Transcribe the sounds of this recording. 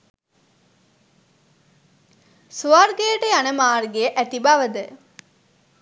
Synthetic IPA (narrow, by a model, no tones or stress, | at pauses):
suarɡejəʈəjanəmaːrɡejəʔæt̪ibaʋəd̪ə